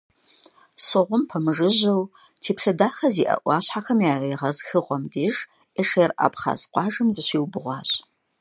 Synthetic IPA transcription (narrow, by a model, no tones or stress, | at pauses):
soʁʷʊmpʰɐmɨʐɨʑɐw | tʰeːpɬɐdaːχɐziːʔɐ̰ʔʷɑːɕħaxɐmjaːreːʁɐzxɨʁʷɔmdeːʒ | eʂɐjrʔa̰ːpʰχa̰ːzqʷɑːʒɨmzɨɕʷiːwbɨʁʷɑːɕ